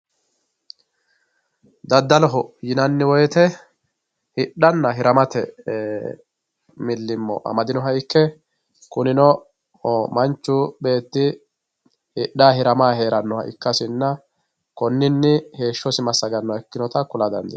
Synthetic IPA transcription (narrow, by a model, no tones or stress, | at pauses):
d̪ɐd̪ːɐlɔɦɔjɪnɐnːɪwɔjɛt̪ɛ | hɪɗːɐnːɐɦɪɾɐmɐt̪ɛ | mɪlːɪmːɔ̰ʔɐ̰mɐd̪ɪnɔɦɐɪkːɛ | kʊnɪnɔ | mɐnt͡ʃːʊbe̞ːt̪ːɪ | hɪɗːaːɦɪɾɐmaːɦe̞ːɾɐnːɔhɐ̰ʔɪ̰kːɐsɪnːɐ | kɔnːɪnːɪhe̞ːʃːɔsɪmɐsːɐɡɐnːɔɛkːɪnɔt̪ɐkʊlɐd̪ɐ̰nd̪ɛ